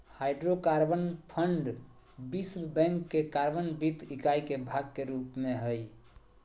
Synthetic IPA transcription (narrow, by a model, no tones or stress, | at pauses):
hajɖɾokaɾbənpʰəɳɖ | bisbbɛ̃ŋkːekaɾbənbit̪ikajkebʱaɡ̚keɾupmeɦəj